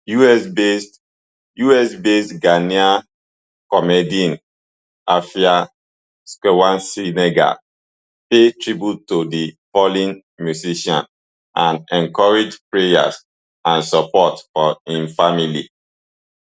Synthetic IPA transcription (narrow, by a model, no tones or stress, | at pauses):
juɛsbes | juɛsbestɡania | kɔmediĩn | afia | skowãnsineɡa̰ | petɹibutodipɔlĩn | mjusiʃɔ̰̃n | ʔãnɛ̃ŋkɔɹed͡ʒpɹeja̰s | ãnsɔpɔtfɔĩnfamilḭ